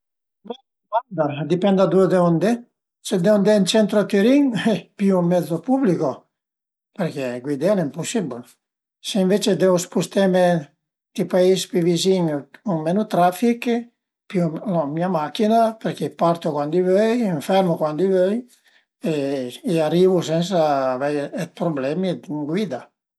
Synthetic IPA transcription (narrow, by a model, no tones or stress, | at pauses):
bɛ | ɡwand̪ad̪ipɛnd̪ad̪ud̪eond̪e | sed̪eond̪ɛnt͡ʃɛnt̪ɾot̪yɾiŋɛpjuumːɛd̪zopubliko | peɾk̟eɡwid̪alimpusibl | seiɱvet͡ʃed̪eospust̪eme | t̪ipaispiviziŋuŋmenut̪ɾafik | pulomiamakinapeɾkepaɾt̪ukwand̪ivøjiɱfɛɾmukwand̪ivøj | eːarivusɛns̬aːvɛjɛt̪̚pɾoblɛmid̪ŋɡwid̪a